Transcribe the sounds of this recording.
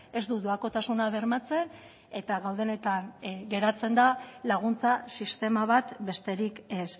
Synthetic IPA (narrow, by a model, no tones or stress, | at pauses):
e̞zd̪uðoako̞t̪asunaβe̞ɾmat͡se̞n | e̞t̪aɣawð̞e̞ne̞t̪anɡe̞ɾat͡se̞nd̪alaɣ̞unt͡sasist̪e̞maβat̪be̞st̪e̞ɾike̞s